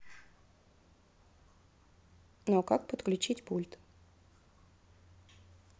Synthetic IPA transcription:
nokak̚pət̪klʲʉt͡ɕitʲpulʲt̪

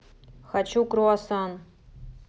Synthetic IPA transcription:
xat͡ɕukɾuɑsɑn

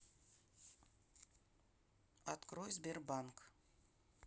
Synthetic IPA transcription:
at̪krojzberbaŋk

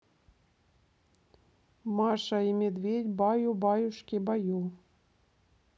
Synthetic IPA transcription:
mɑʃɑimʲed̪vʲedʲbɑjubɑjuʃkʲebɑjulˠ

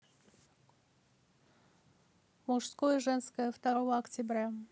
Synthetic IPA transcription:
mʊʂskojəʐɛnskəjəft̪ɐɾovəɐktʲɪbɾʲa

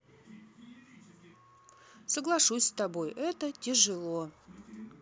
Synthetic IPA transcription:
səɡlˠɐʂusʲst̪ɐbo̞jʔɛt̪ətʲɪʐɨlˠo

